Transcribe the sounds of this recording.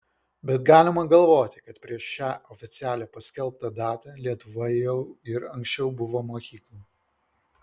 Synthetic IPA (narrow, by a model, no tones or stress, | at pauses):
bʲɛt̪ɡɑːlʲɪmɐɡɐlˠʋoːt̪ʲɪkɐt̪pʲɾʲiɛʃʃʲæːʔɔfʲɪt̪sʲɪæːlʲɛpɐsʲkʲɛlˠˑp̚t̪ɐd̪ɑːt̪ɑlʲiɛt̪ʊʋɐjɛʊɪɾɐŋksʲt͡ʃʲɛʊbʊʋoːmoːkʲiːklˠu